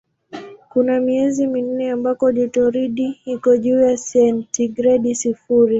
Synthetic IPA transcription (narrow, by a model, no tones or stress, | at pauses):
kunamiɛzimin̩nɛambakɔʄitɔɾiɗiikɔʄuːjasɛntiɡɾɛɗisifuɾi